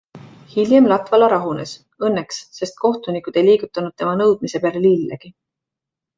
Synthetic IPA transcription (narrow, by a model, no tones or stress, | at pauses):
hiljemlɑt̪vɑlɑɾɑɦune̞s | ɤnːeksːe̞st̪̚ko̞ht̪unikˑud̪̥e̞jliːɡ̥ut̪ːˑɑnud̪̥̚t̪e̞mɑnɤwd̪̥̚mise̞pælelilːɑ̰ɡ̥i